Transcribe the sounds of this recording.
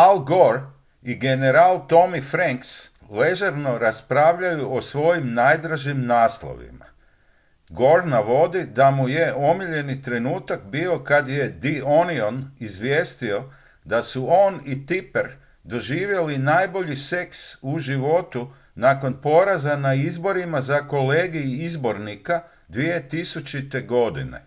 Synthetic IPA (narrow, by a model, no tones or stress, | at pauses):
alɡoɾ | iɡe̞neɾalˠt̪o̞mifɾaŋks | le̞ʒaɾno̞ɾaspɾaːʋʎajuʔosʋo̞jimnaːjd̪ɾaʒimnaːslˠo̰ʋḭma̰ | ɡo̞ɾnaʋo̞d̪id̪amuje̞o̞miʎe̞nit̪ɾe̞nuːt̪akbiːo̞kad̪je̞d̪io̞nionizʋjeːst̪io̞ | d̪asuonit̪ipeɾ | d̪o̞ʒiːʋje̞linaːjbo̞ʎise̞ksuʒiʋo̞t̪u | nako̞npo̞ɾazanaizbo̞ɾimazako̞leːɡiizbo̞ɾnika | d̪ʋie̞t̪isut͡ʃit̪e̞ɡo̞d̪ḭnḛ